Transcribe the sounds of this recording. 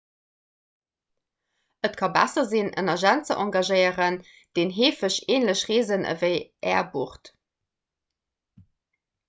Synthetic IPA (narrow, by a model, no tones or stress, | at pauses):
ʔətkʰɑbæ̰sɐzinʔə̰nɐʒænt͡səʔɑŋɡɑʒəɪəʁən | d̥eːnɦeːfəɕeːnləɕʁeːzənʔə̰vəɪʔɛːɐbuχt